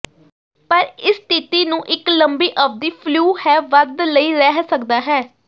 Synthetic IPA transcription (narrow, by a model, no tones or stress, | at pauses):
pəɾɪst̪it̪iːnũːʔɪkləmbiːʔəːp̚d̪iːpʰluːhɛːʋəd̪ləiːɾɛɦsəkd̪aːɦɛː